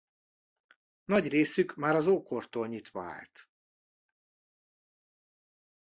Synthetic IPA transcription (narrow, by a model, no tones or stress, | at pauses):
nɒɟreːsykmaːɾɒzoːkort̪oːlɲit̪ʋɒa̰ːlt̪